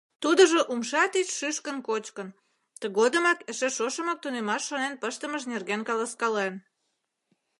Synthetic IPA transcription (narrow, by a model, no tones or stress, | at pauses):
t̪ud̪ə̆ʒŏʔumʃɑt̪it͡ɕʃyʃkənkot͡ɕkə̆n | t̪əɣod̪ə̆mɑkə̆ʃĕʃoʃəmɑk̚t̪unemɑʃːonenpəʃt̪əməʃ̬nerɣenkɑlɑskɑlen